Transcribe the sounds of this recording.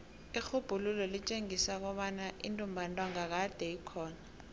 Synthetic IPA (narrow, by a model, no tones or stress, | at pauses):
ixub̥ʱululɔlit͡ʃʼeŋisak̬ɔɓanaʔḭntʼumbʱantʼwaŋak̬ad̥ʱɛikʰɔːna